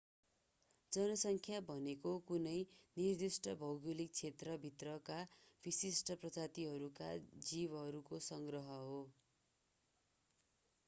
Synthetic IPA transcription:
d͡zʌnʌsʌŋkʰjabʱʌnekokunʌjnird̪isʈʰʌbʱʌwɡulik̚t͡sʰet̪rʌbʱit̪rʌkab̥isisʈʰʌprʌd͡zat̪iɦʌɾuka̰d͡zibɦʌɾukosʌŋɡrʌɦʌɦo

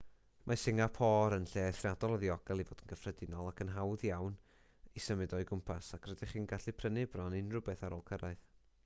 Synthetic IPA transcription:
mʔasɪŋapʰɔːɾənɬeːaθrjadɔlˠəðiɔɡɛlˠivoːdənɡ̥əfrɛdɪnɔlˠakʰənɦawðjawn | isəmɨdɔɨɡʊmpʰasakʰrədɪχiːnɡaɬipʰrənɪbrɔnɪnrʊbɛθaɾoːlˠkʰəɾaɨθ

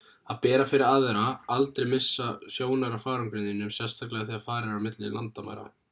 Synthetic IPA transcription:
aðpɛːɾafɪɾɪɾaːðvɛɾaalt̪ɾɛjmɪsːasjoːwnaɾafaːɾaŋkɾɪːðɪnʏmsjɛnst̪ʰaklɛɣaθiaðfaːɾɪɾamɪt̪lɪ̰lant̪ama̰jɾa̰

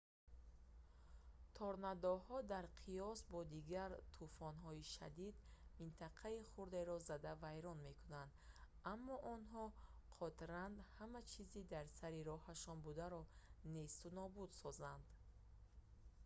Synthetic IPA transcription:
t̪ʰɔɾnad̪ɔhɔd̪aɾqʰijɔsbɔd̪iɡaɾt̪ʰufɔnɦɔiʃa̰d̪id̪mint̪ʰaqʰaiχuɾd̪e̞ɾɔzad̪avajɾɔnme̞kʰunand̪ | amːɔʔɔnɦɔqʰɔt̪ɾand̪hamat͡ʃʰizid̪aɾsaɾiɾɔhaʃɔnbud̪aɾɔne̞st̪unɔbud̪sɔzand̪

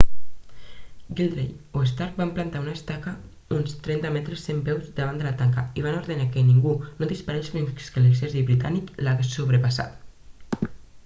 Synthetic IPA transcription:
ɡild̪ɾejoest̪aɾk̚bamplant̪aunaest̪aka | unst̪ɾɛnt̪amɛt̪ɾəsːembɛwzd̪əβand̪əlat̪aŋkaiβ̞anoɾðənakeniŋɡunoðispaɾesfɾiŋkskeleseziβɾit̪a̰niklaɣessoβ̞ɾəpasa̰t̪

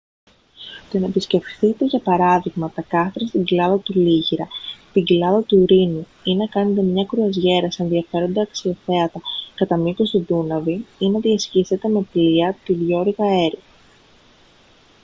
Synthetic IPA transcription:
t̪onepisce̞fθit̪e̞ʝɐpɐɾɐðiɣmɐt̪ɐkɐθɾɐst̪iɲɟilɐðɐt̪uliʝiɾɐt̪iɲɟilɐðɐt̪uɾinu | inɐkɐnet̪e̞mɲɐkɾuɐzʝe̞ɾɐse̞nðiɐfe̞ɾo̞nd̪ɐːksio̞θe̞ɐt̪ɐkɐt̪ɐmipo̞st̪id̪unɐviinɐðiɐscise̞t̪e̞me̞pliɐt̪iðʝo̞ɾɣɐe̞ɾi

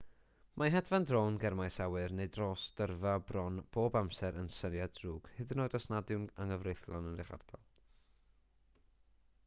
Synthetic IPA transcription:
mʔaɦɛdvandroːnɡɛrmajsawɨrneɨdroːsd̥ərvabrɔnb̥oːbamsɛɾənsənjadruːɡ̥hɨðənoːdasnadɪwnəŋəvrejθlˠanənrɪχa̰rdɔ̰lˠ

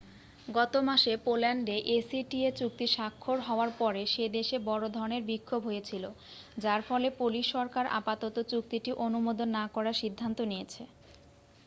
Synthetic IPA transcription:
ɡɔt̪omaʃepolɛɳɖeʔesiʈiet͡ɕuk̚t̪iʃakʰːoɾɦɔoaɾpɔɾeʃed̪eʃebɔɾod̪ʱɔɾoneɾbikʰːobɦojet͡ɕʰilo | d͡ʑaɾfɔlepuliʃːɔɾkaɾʔa̰pat̪ot̪ot͡ɕuk̚t̪iʈiʔonumod̪onːakɔɾaɾʃid̪ʱːant̪onijet͡ɕʰe

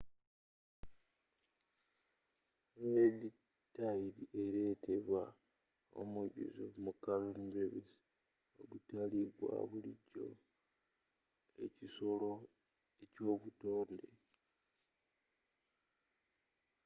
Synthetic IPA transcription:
neli | taiɾiʔe̞ɾe̞tʰeβwa | o̰muɟṵzo̰mukalonbɾeβis | o̰ɡutaliɡwa̰βuliɟo̞̰ | e̞̰ciso̞lo̞ | e̞co̞ːβuto̞ːnde̞

